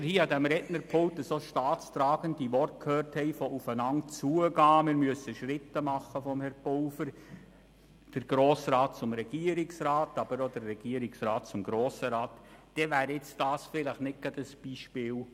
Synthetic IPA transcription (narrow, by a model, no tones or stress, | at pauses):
ɾhiːɑdɛmɾɛʔnəɾpʰolt̚dəsoʃtɑːtt͡st̪ɾɑːɡ̥əndiʋɔrt̚kʰhøːɾthɛɪfɔʔufənɑntt͡suəɡɑːmɪɾmyəsəʃɾɪt̪ːəmɑχəfɔmhɛɾpɔʊfəɾ | d̥əɾɡ̥ɾoːsrɑːt̚t͡sʊmɾɛɡ̥iəɾɪksɾɑːtɑb̥əɾodərːɛɡ̥iəɾɪksɾɑːt̚t͡sʊmɡ̥ɾoːsəɾɑːtd̥ɛʋæːɾɪt͡sd̥ɑːsfɪləχnɪt̚ɡ̥ɑdəsb̥iʃpɪːl